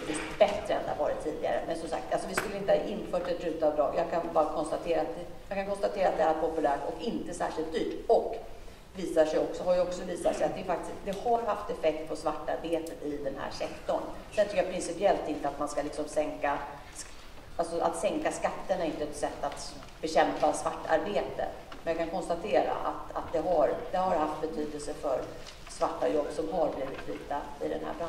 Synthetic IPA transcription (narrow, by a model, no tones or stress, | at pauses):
t̪visbɛt̪ɾəɛ̰nd̪ɛ̰ha̰vɑːɾɪt̪ʰːiːd̪ɪɡa̰ɾə̰mɛnsɔmsa̰k̚t̪alsɔvɪskɵlːəɪnt̪əhaʔɪnːfœːʈɛt̪ːɾʉ̟ːt̪aːvd̪ɾɑ̰ːɡjɑːɡkʰanbɑːɾakʰɔnst̪at̪ʰeːɾat̪̚ɛ | jɑːkʰankʰɔnst̪at̪ʰeːɾat̪d̪ɛːɾpʰɔpɵlæːʈɔkɪnt̪əsæ̰ːʂɪlt̪̚d̪yːʈɔk | viːsaʂɛjɔksɔɦaɾjəɔksɔviːsat̪ʂɛjat̪̚d̪ɛjəfak̚t̪ɪsd̪ɛhaɾhaft̪ɛfɛk̚t̪̚pʰɔsvaʈːa̰ɾbeːt̪ət̪ɪd̪ɛnhæ̰ːʂɛkt̪ɔɳd̪ɛnt̪ɾʉkːjapʰɾɪnsɪpɪɛlt̪ɪnt̪əat̪manskalɪksɔmsɛŋka | alsɔʔa̰t̪sɛŋkaskat̪ːəɳɛɾɪnt̪əɛt̪sɛt̪ːat̪ | b̥ɛɕɛmpasvaʈːa̰ɾbeːt̪ə̰ | mɛnjakʰankʰɔnst̪at̪ʰeːɾa̰ʔa̰t̪a̰t̪̚d̪ɛɦaɾd̪ɛhaɾɦaft̪̚bɛt̪ʰyːd̪əlsəfœ̰ɾ | svaʈːajɔbsɔmɦaɾbliːvɪt̪viːt̪aɪ̰d̪ɛ̰nhæ̰ːba